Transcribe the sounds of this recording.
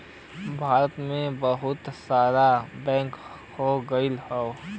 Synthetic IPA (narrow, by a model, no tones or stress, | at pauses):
bʱaːɾət̪mẽbəɦʊt̪saːɾabɛ̃ːŋk | hoɡəɪlhɛo